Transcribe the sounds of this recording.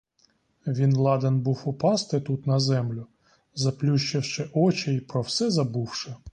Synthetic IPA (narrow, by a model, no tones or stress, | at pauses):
ʋʲinlˠɑd̪enbuwʊpɑst̪ɪt̪ut̪nɐzɛmlʲʊ | zɐplʲuʃt͡ʃɪwʃɪʔɔt͡ʃɛipɾɔwsɛzɐbuwʃɛ